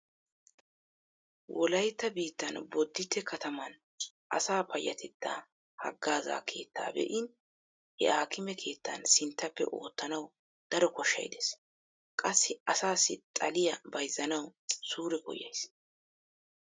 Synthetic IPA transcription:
wʔɔlɐjt̪ːɐbiːt̪ːɐnbɔd̪ːɪt̪ːɛkʰɐt̪ɐmɐn | ʔɐ̰saːpʰɐjːɐ̰t̪ʰɛd̪̥ːaː | hɐ̰ɡːaːza̰ːkʰe̞̰ːt̪ːa̰ːbɛ̰ʔɪn | ʔɛ̰ʔaːkɪmɛkʰe̞ːt̪ːɐ̰nsɪnt̪ːɐpːɛ̰ʔo̞̰ːt̪ːɐnɐw | d̪̥ɐɾɔkɔʃːɐ̰jd̪es | kʼɐsːɪɐsaːsːɪt̪ʼɐlɪjɐbɐjzːɐnɐwsuːɾɛkɔ̰jːɐ̰js

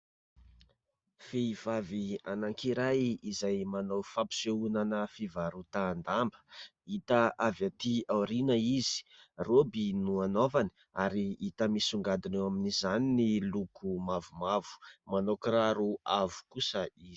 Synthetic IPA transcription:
feiv̥avianaŋkiɾajizajmanawfapi̥seunanəfivaɾut̪aːnd̪ambə̥ | it̪aʔavat̪iawɾinəizi̥ | robinuanovani̥ | aɾiit̪əmisuŋɡad̪inewaminizaninilukʰumavumavu̥manokraɾuavu̥kusəizi

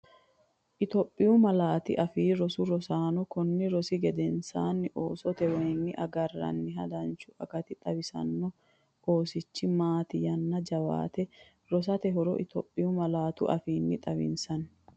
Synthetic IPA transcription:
ʔɪt̪ɔpʼːɪjʊmɐlaːt̪ɪ̰ʔɐfiːɾɔsʊɾɔsaːnɔkɔnːɪɾɔsɪɡɛd̪ɛnsa̰ːnːɪʔoːsɔt̪ɛwɔjnːɪʔɐɡɐrːɐ̰nːɪɦɐ̰d̪ɐnt͡ʃʊɐkɐt̪ɪt̪ʼɐbɪsɐ̰nːɔ | ʔoːsɪt͡ʃːɪmaːt̪ɪjɐnːɐd͡ʒɐwa̰ːt̪ɛ | ɾɔs̬ɐt̪ɛɦɔɾɔ̰ʔɪt̪ɔ̰ːpʼːɪjʊmɐlaːt̪ʊ̰ʔɐ̰fiːnːɪt̪ʼɐβɪ̰nsɐn

